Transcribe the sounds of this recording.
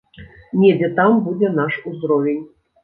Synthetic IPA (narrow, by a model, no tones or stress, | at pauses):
nʲed͡zʲɛt̪ambud͡zʲɛnaʂuzɾɔvʲenʲ